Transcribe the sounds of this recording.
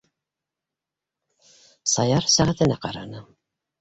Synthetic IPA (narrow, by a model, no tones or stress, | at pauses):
sɑjɑɾsæʁæt̪ɘ̆næqɑɾɑnɤ